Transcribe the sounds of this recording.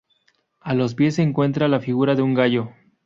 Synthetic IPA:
alo̞spje̞seːŋkwe̞nt̪ɾalafiɣuɾaðeuŋɡaʝo̞

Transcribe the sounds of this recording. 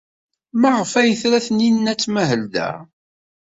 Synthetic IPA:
maʁəfæjəθɾæθninːæt͡sːmæɦəld̪æ̰

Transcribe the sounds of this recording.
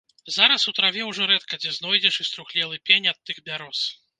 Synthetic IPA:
zaɾɐsut̪ɾavʲɛwʐɔɾɛt̪kɐd͡zʲɛznɔjd͡zʲɛʂɨst̪ɾuxlʲɛlˠɨpʲenʲɐt̪ːɨxbʲaɾɔs

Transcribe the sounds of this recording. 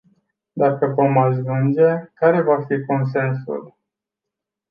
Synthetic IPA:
d̪akəvo̞maʒvund͡ʒe̞kaɾe̞vafiko̞ns̬e̞nsṵl

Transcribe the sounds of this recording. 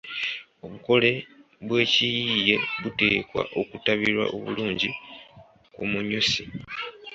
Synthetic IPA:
o̞βuko̞le̞ | βwe̞ːcijiːje̞βute̞ːkwa̰ʔo̞kutaβiɾwa̰ʔo̞̰βṵluːɲɟi | kumuɲusi

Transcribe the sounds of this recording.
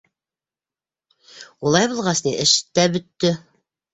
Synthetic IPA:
ulˠɑjbulˠʁɑsniʔɘ̆ʃɘ̥t̪ːæbɵ̆t̪ːɵ

